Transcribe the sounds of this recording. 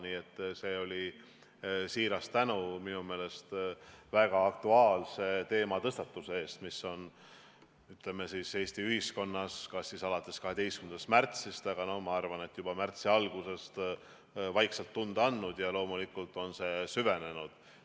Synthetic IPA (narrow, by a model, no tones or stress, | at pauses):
niːe̞t̪ːˑse̞ːo̞lʲi | siːɾɑst̪ænuminume̞ːle̞st̪væɡ̥ɑːk̚t̪uɑːlse̞t̪e̞ːmɑt̪ɤst̪ɑt̪ːˑusee̞ːst̪misːo̞n | yt̪leme̞sise̞ːst̪iyhisko̞nːɑskɑsisɑlɑt̪ːˑe̞skɑɦe̞d̪̥e̞jst̪kynd̪ɑst̪mært̪sist̪ɑɡ̥ɑno̞hmɑɑrvɑne̞t̪ːˑjub̥ɑmært̪siɑlɡ̥use̞st̪ | vɑjkselt̪ːund̪ɑɑnːud̪̥jɑlo̞ːmulikːˑult̪ːˑo̞nse̞syve̞ne̞nud̪̥